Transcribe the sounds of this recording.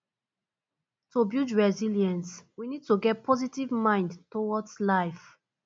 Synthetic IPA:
tʰobjud͡ʒɹɛziljɛ̃nswinid̚toɡɛt̚pʰɔzitivmãɪ̃ndtowɔdslaɪf

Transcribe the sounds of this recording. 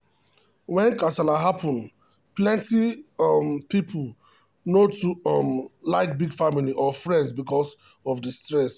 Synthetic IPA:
wɛ̃nkasalaɦapʰɔ̃nd | plɛ̃ntimpipʰul | notuɔmlaɪk̚biɡfamiliʔɔfɹɛ̃ndsbikɔs | ɔvdistɹɛs

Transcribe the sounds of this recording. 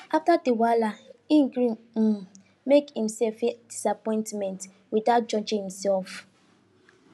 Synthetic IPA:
aftadiwalaiŋɡɾĩn | m̩ | mekhĩm̩sɛlfed̥isapɔ̃ɪ̃ntmɛ̃nt | widaʊt̚d͡ʒɔd͡ʒɪ̃ŋhimsɛlf

